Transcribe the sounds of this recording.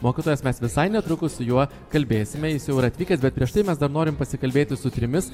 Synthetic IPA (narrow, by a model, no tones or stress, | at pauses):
moːkʲɪt̪oːjɛsmʲɛsʋʲɪsɐɪnʲɛt̪ɾʊkʊssʊjuɔ | kɐlʲbʲeːsʲɪmʲɛjɪsjɛʊɪɾɐt̪ʲʋʲiːkɐsbʲɛt̪̚pʲɾʲiɛʃt̪ɐɪmʲɛsd̪ɐɾnoːɾʲɪmpɐsʲɪkɐlʲbʲeːt̪ʲɪsʊt̪ʲɾʲɪmʲɪs